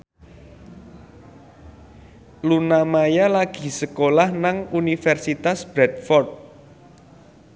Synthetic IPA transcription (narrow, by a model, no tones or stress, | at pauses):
lunamajalaɡ̥i̤səkolahnaŋunifɛrsit̪asb̥ɾɛt̪̚fɔrt̪̚